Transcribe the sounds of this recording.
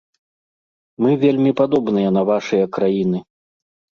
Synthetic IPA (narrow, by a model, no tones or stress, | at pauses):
mɨvʲelʲmʲipad̪ɔbnɨjɐn̪ɐvaʂɨjɐkɾajinɨ